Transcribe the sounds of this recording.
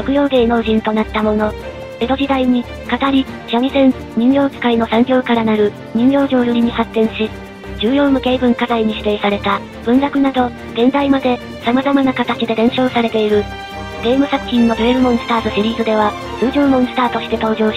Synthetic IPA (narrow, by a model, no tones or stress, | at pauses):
ɾo̞kɯ̟jo̞ːɡ̪e̞ːno̞ːʑĩnt̪o̞nat̪ːamo̞no̞ | e̞d̪o̞ʑid̪aiɲ̟i | kat̪aɾʲi | ɕamʲisẽ̞n | ɲʲĩɲjo̞ːki̥kaino̞sãŋɡʲo̞ːkaɾanaɾɯ̟ | ɲ̟ĩɲjo̞ːʑo̞ːjɯɾʲiɲ̟ihat̪ːẽ̞ɰ̃ɕi | d͡ʑɨːjo̞ːmɯ̟ke̞ːbɯ̟̃ŋkazaiɲ̟iɕi̥t̪e̞ːsaɾe̞t̪a | b̥ɯ̟̃nɾakɯ̟nad̪o̞ | ɡ̥ẽ̞nd̪aimad̪e̞ | samazamanakat̪at͡ɕid̪e̞ɾẽ̞ɰ̃ɕo̞ːsaɾe̞t̪e̞iɾɯ̟ | ɡe̞ːmɯ̟sakɯ̟̥çʲĩnːo̞ɾieɾɯ̟mõ̞ɰ̃sɨ̥t̪aːt̪oɕiɾʲiːzɨd̪e̞β̞a | ɯːd͡ʑoːmõ̞ɰ̃sɨ̥t̪aːt̪o̞ɕi̥t̪e̞t̪o̞ːʑo̞ːɕ